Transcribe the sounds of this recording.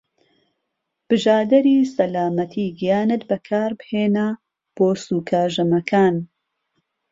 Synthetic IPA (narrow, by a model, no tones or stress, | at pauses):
b̥ɨʒaːd̪ɐɾiːsɐlaːmɐt̪ʰiːɡijaːnɨt̪bɐkʰaːɾbheːna | b̥oːsuːkʰaːʒɐmɐkʰaːn